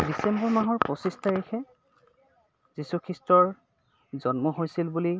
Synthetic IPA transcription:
disɛmbɔɹmaɦɔɹpɹɔsistʰaɹekʰɛ | zisukʰɹistɹɔɹ | zɔnmɔɦojsilbuli

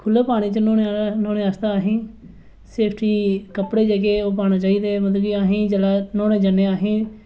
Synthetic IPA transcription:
kʰʊlaːpaːɽ̃iːt͡ʃənõːnenoːneːaːst̪aːaːɦĩː | seːpʰʈʰiːkəpɽeːd͡ʒəɡeːoːp̬aːnaːt͡ʃaːiːd̪eːmət̪ːɡiːaːɦĩːd͡ʒəlaːnõːneːd͡ʒənːeːaːɦẽː

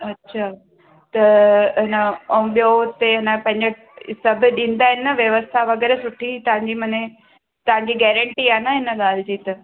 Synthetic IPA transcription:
ɐtːɕʰaː | t̪ɐɦɪnəɐũɓijot̪eɦɪnə̆pɐ̃ɦɪ̃ɲd͡ʑe | sɐbʱɪɗĩːn̆d̪aːɦɪnːɐʋjɐʋəst̪ʰaʋɐɡɛːɾesʊʈʰit̪ɐʋ̤ãɲd͡ʑiːmɐne | t̪ɐʋ̤ãɲd͡ʑiɡɛːɾə̃ɳʈiaːnəɦɪnəɠaːl̤ɪd͡ʑiːt̪ɐ

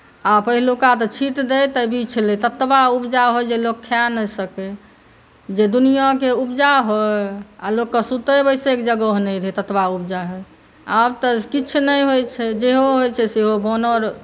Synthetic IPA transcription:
apəɦilukat̪ɔt͡ʃʰiʈ̪d̪et̪əbʱit͡ʃʰlet̪ət̪baubd͡ʒaɦojd͡ʒelokʰːjanəjsəke | d͡ʒed̪unijakeubd͡ʒaɦoalokːəsut̪əbəɪsekd͡ʒəɡəɦnɛjɾet̪ət̪baubd͡ʒaɦoj | abt̪ɔkit͡ʃʰunəjɦojt͡ʃʰɛd͡ʒeɦoɦojt͡ʃʰɛseɦobɔnəɾ

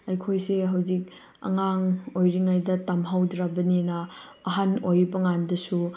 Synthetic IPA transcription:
ɐjkʰojseɦawzik̚ | ɐ̰ŋaŋojɾiŋajdɐtamɦawdɾabɐninɐ | ɐɦanojbɐŋandɐsu

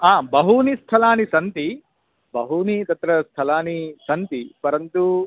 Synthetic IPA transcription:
aːbɐɦunist̪ʰɐlaːnisɐnt̪i | bɐɦunit̪ɐt̪ɾɐst̪ʰɐlaːnisɐnt̪ipɐɾɐnt̪u

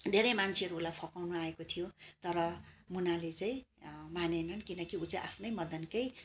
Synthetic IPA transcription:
d̪ʱeɾʌjmant͡sʰeʌɾuːlajpʰʌkawnuaekot̪ʰijot̪ʌɾʌmunalet͡saĩmanenʌnkinʌkiut͡sãʔapʰnʌjmʌd̪ʱʌnkʌj

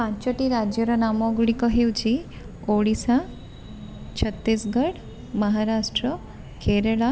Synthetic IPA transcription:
pãt͡ɕəʈiɾad͡ʑjəɾanamɔɡɽikəɦewt͡ɕi | oɽisa | t͡ɕʰət̪ːisɡəɽ | məɦaɾaʂʈɾə | kʰeɾeɭa

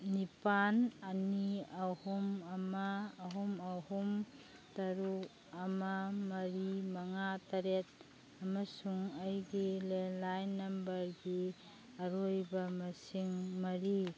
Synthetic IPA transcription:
nipanɐniahumɐmaːɦumɐhumtɐɾu | ɐmɐmɐɾimɐŋatɐɾet̚ | ɐmɐsuŋɐjɡilelajnːɐmbɐɾɡi | ɐɾojbɐmɐsiŋmɐɾi

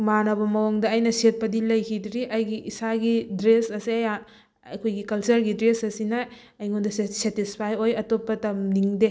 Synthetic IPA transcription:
manɐbɐmɐwoŋdɐːjnɐset̚pɐdilɐjkʰidɾiʔɐjɡiʔisaɡidɾesɐsiɐja | ɐkʰojɡikɐlt͡ʃɐɾɡidɾesɐsinɐː | jŋondɐssetispʰajojɐtopːɐtɐmniŋde

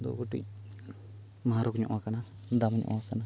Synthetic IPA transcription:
d̪ṵɡoʈḭc̚ | maɦaɾɔkɲɔ̰ʔwakana | d̪amɲɔ̰ʔwakana

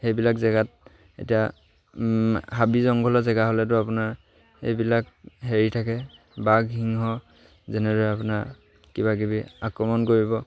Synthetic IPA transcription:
hejbilakzɛɡat̚ | ḛtija | ɦabizɔŋɡʱɔlɔzɛɡaɦolɛt̬ʊapʊnaɹ | ḛjbilakɦeɹitʰakɛ | baɡɦiŋɦɔ | zɛnɛdɔɛapʊnaɹ | kiβakibiakɹɔmɔnkoɹibɔ

